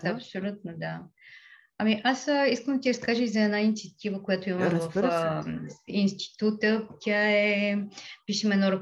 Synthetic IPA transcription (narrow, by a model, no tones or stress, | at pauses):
ɐpsolʲut̪nod̪a | ɐmiʔasiskəmd̪ət̪ʲiɾɐskaʒəizɐɛd̪nainit̪siət̪ivəkojat̪oimɐmvɐf | inst̪i̥t̪ut̪ət̪ʲaɛ | piʃɛmɛnɔɾɐ